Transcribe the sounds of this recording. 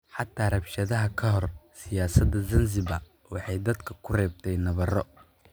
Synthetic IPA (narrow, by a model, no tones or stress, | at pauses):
ħɑt̪ʰːaːrɐbʃɐðɐɦɐkʰɐɦɔrsɪjaːsɐd̪ɐzɐnzɪbɐ | wɑħɑjd̪ɐd̪kʰɐkʰʊrɛːb̚t̪ʰɛjnɐβɐrɔ